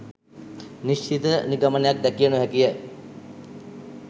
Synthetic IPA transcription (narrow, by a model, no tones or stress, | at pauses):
niʃt͡ʃit̪əniɡamənejak̚d̪ækijənuɦækijə